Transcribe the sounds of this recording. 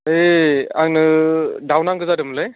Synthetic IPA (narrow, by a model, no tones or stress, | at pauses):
ea̰ŋnɯdawnaŋɡɯzadɯmlej